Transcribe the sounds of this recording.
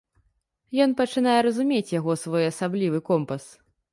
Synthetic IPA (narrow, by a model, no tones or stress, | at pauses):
jɔnpɐt͡ʂɨnajɛɾɐzumʲet͡sʲjaɣɔsvɔjɐsablʲivɨkɔmpɐs